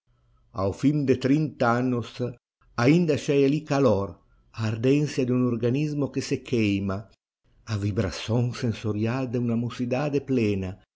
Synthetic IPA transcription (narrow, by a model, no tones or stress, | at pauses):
a̰wfimd̪et̪ɾint̪aanːos | aind̪aʃɛjalikalɔɾ | aːɾd̪ɛnsjad̪unorɡanizmokesekʰɛjma | avibɾa̰sɔŋsensoɾjald̪eunamosid̪aːd̪eplɛːna